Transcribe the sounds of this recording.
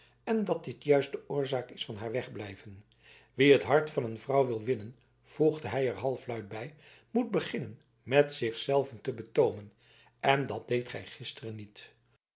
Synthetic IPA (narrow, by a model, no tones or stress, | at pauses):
ɛndɑt̚dɪtjœɥstdəʊːɹzaːkɪsfɑnɦaːɹʋɛχblɛjvən | ʋiətɦɑɹtfɑnənvrɑwʋɪlˠʋɪnən | v̥uχdəɦɛjəɹɦɑlˠflœɥt̚bɛj | mut̚bəχɪnən | mɛtsɪχsɛlˠvəntəbətowmən | ɛndɑt̚d̥ejtχɛ̰jχɪstərənit